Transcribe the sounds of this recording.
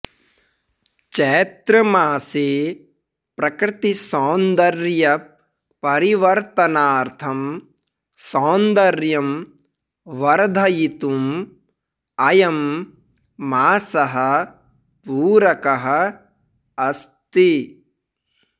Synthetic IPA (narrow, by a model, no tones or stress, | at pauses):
t͡ʃɛːt̪ɾɐmaːseː | pɾɐkɾɪt̪isɔːnd̪ɐɾjɐ | pɐɾiʋɐɾt̪ɐnaːɾt̪ʰɐm | saːnd̪ɐɾjɐm | ʋɐɾd̪ʱɐjit̪um | ɐjɐmː | aːsɐɦɐ̆ | puːɾɐkɐɦɐ̆ | ɐst̪i